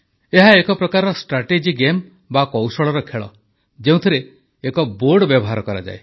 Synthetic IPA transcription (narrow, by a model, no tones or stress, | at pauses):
eɦaekɔpɾɔkaɾɔɔsʈɾaʈed͡ʒiɡem | bakɔwsɔɭɔɾɔkʰeɭɔ̰ | d͡ʒeũt̪ʰiɾeː | kɔboɾɖbjɔbɔɦaɾɔkɔɾa̰d͡ʒa̰e